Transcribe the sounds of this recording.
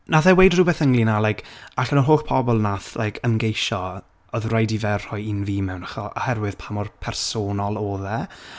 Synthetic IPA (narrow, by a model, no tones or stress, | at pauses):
naðɛwejdruːbeːθəŋlinalˠajkʰaɬənɔrɦoːɬpʰɔbɔlˠnaθlʔajkʰəmɡejʃɔ | ɔðrajdivɛrrɔjinviːmɛwnaχɔʔɔ̰hɛrwɪð̥pʰamɔrpʰɛrsoːnɔlˠoːðɛ